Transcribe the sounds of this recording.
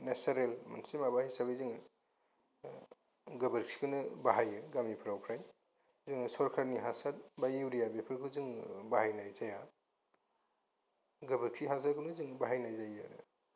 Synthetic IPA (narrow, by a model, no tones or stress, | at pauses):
nesaɾelma̰nsimabahijsabejzɯŋ | ɡɐbəɾkʰi̥kʰɯnɯbaɦajɯɡamipʰɾawpʰɾaj | zɯŋsɔɾkʰaɾniɦasad̚bajiwɾijabepʰɯɾkʰuzɯŋbaɦajnajzaja | ɡəbəɾkʰiɦas̬akʰunuzɯŋbaɦajnajzajaɾ